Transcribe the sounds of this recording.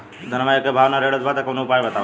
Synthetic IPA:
d̪ʱɐnʋajekebʱaːʋnaɾeːɽət̪baːt̪akonuʊpaːjbɐt̪aʋ

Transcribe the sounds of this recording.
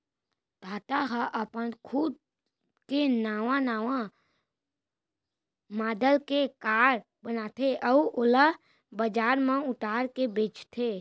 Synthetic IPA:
t̪aːt̪aɦaʔəpənkʰud̪̚ | kenaːʋãnaːʋã | maːd̪əlkekaːɾ | bənaːt̪ʰeʔəuola | bəd͡ʒaːɾmãʊt̪aːɾkebeːt͡ʃt̪ʰe

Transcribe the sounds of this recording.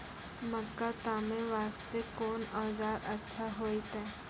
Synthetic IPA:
məkːat̪aːmẽʋaːst̪ekɔːnɔːd͡ʒaːɾɐtːʃʰaɦoːit̪ɛ̃ː

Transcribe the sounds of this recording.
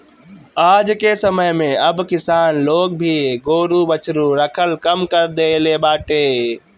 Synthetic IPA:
aːd͡ʒkesəməjmẽəbkɪsaːnloːɡ̚bʱiɡoːɾubət͡ʃʰɾuɾəkʰəlkəmkəɾd̪elebaːʈeː

